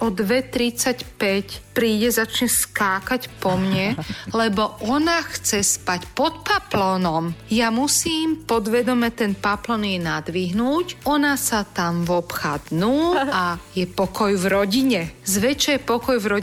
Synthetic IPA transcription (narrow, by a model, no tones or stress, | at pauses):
ɔd̪ʋɛt̪ɾit͡sacpɛcpɾiːɟɛzat͡ʃɲɛskaːkacpɔmɲɛlɛbɔʔɔnaxt͡sɛspacpɔt̪paplɔnɔmjamusiːmpɔd̪ʋɛd̪ɔmɛt̪ɛnpaplɔnjɛnad̪ʋiɦnuːcɔnasat̪amʋɔpxad̪nuːajɛpɔkɔjvɾɔɟiɲɛzʋɛt͡ʃɛjɛpɔkɔjvɾɔ